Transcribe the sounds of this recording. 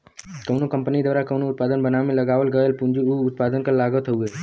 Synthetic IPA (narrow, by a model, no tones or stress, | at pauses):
kəʊnokə̃mpnid̪əɾakəwnoʊt̪̚paːd̪ənbənamẽləɡaːʋəlɡəelpũnd͡ʒiuʊt̪̚pad̪ənkalaɡət̪ʰɦəuɡe